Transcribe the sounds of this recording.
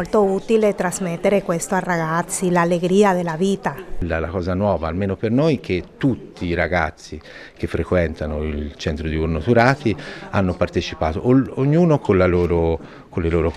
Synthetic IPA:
olt̪out̪ilet̪ɾazmet̪ːeɾekwest̪oarːaɡat̪sːilalːeɡɾiːad̪elːaviːt̪alːalakɔːzanwɔːvaːlmeːnopernojk̟et̪ːut̪ːiːɾaɡa̰t̪sːik̟efːɾekwɛnt̪anoilt͡ʃɛnt̪ɾod̪iurnot̪uɾaːt̪ianːopart̪et͡ʃipaːt̪oʔoɲːuːnokʰonlaloːɾo | kolːeloːɾo

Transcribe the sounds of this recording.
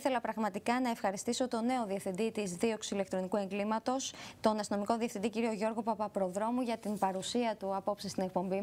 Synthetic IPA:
θe̞lɐpɾɐɣmɐt̪ikɐnɐe̞fxɐɾist̪iso̞t̪o̞ne̞o̞ðiɐfθind̪it̪izðio̞ksile̞kt̪ɾo̞nikue̞ŋɡlimɐt̪o̞st̪o̞nɐst̪ino̞miko̞ðiɐfθind̪iciɾio̞ʝo̞ɾɣo̞pɐpɐpɾo̞ðɾo̞muʝɐt̪imbɐɾusiɐt̪uɐpo̞psist̪ine̞k̚po̞mbi

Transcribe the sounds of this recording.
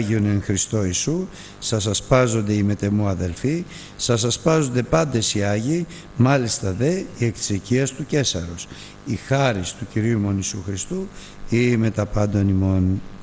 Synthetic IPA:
ʝioneŋxɾist̪o̞isu | sɐsɐspɐzo̞nd̪e̞ime̞t̪e̞muɐðe̞lfi | sɐs̬ɐspɐzo̞nd̪e̞pɐnd̪e̞siɐʝi | mɐlist̪ɐðe̞iekt̪i̥seciɐst̪uce̞sɐɾos | ixɐɾist̪uciɾiumo̞nisuxɾist̪u | ime̞t̪ɐpɐnd̪ɐnimo̞n

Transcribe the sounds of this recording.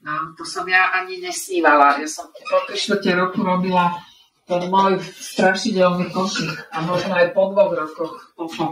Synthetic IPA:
at̪ɔsɔmjaʔaɲiɲɛsɲiːʋalajasɔmt̪ɛɔp̪ɾiʃʋəcɛɾɔkuɾɔbila | t̪ɛnmɔjst̪ɾaʃiɟɛlnikɔcixamɔʒnɔajpɔd̪ʋɔɣɾɔkɔx

